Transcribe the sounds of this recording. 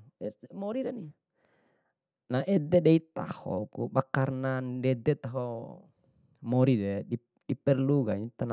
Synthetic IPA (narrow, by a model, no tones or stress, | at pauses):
ɛmɔɾidani | naʔɛd̪ɛdɛit̪a̰hɔ̰kṵbakarnandɛd̪ɛt̪aɦɔ | mɔɾidɛi | dipɛrluɡaɲit̪ana